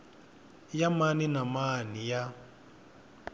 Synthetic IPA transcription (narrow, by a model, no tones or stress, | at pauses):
jamaninamanija